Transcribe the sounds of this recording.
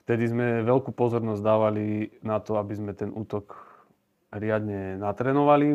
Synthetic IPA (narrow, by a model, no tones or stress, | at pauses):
ft̪ɛd̪izmɛʋɛlkuːpɔzɔɾnɔzd̪aːʋalinat̪ɔabizmɛt̪ɛnʔuːt̪ɔk | ɦɾɪad̪ɲɛnat̪ɾɛːnɔʋali